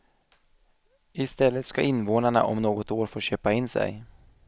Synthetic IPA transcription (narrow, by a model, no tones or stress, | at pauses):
ɪst̪ɛlːət̪skaʔɪnːvoːnaɳa̰ʔɔ̰mnoːɡɔt̪oːɾfoːɕøːpaɪnːsɛ̰j